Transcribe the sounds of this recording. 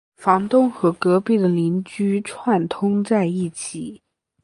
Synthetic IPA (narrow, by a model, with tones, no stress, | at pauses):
fɑ˧˥ŋt̪ʊ˥ŋxɤ˧˥kɤ˧˥pi˥˩d̪ə˩li˧˥nt͡ɕy˥ʈ͡ʂʰwa˥˩nt̪ʰʊ˥ŋt͡sa˥˧ɪi˥˩t͡ɕʰi˨˩˦